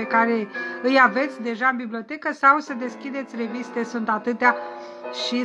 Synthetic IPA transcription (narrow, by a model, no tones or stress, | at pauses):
ekaɾe̞ɨjave̞t̪sʲd̪e̞ʒaɨnbiblio̞t̪e̞kəsawsəd̪e̞skʲid̪e̞t̪sʲre̞vist̪e̞sunt̪at̪ɨt̪ea | ʃi